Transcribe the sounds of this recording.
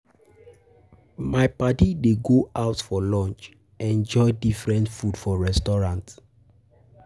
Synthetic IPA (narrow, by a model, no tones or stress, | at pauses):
maɪpatideɡoʔaʊtfɔlɔ̃nt͡ʃ | ɛ̃nd͡ʒɔɪdifɹɛ̃ntfudfɔɹɛstɔɹãnt